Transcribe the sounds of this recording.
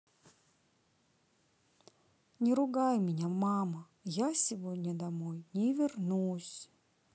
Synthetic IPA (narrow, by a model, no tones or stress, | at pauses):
nʲɪɾʊɡajmʲɪnʲamamə | jasʲɪvodʲnʲəd̪ɐmojnʲɪvʲɪrnusʲ